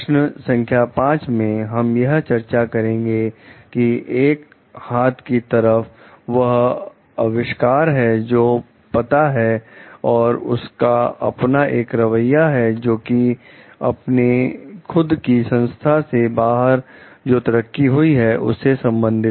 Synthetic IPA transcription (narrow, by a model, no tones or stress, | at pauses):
ʃnəsɐ̃ŋkʰjapãːt͡ʃmẽɦɐmjɐɦt͡ʃɐɾt͡ʃakɐɾẽːŋɡekieːk | haːt̪ʰkit̪ɐɾəf | ʋɐɦ | ɐʋɪʃkaːɾɦɛd͡ʒoː | pɐt̪aɦɛɔːɾʊ̰skaɐ̰pnaʔeːkɾɐʋəjaɦɛd͡ʒoːki | ɐ̰pnexʊd̪kisɐ̃nst̪ʰasebaːɦəɾd͡ʒoːt̪ɐɾəkːiɦʊiɦɛʔʊ̰sːesɐ̃mbə̃nd̪ʱɪt̪